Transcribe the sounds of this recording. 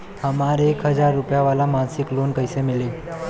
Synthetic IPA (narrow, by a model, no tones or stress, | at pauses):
həmaɾekɦəd͡zaɾːupjaʋalamansɪklonkəjsemile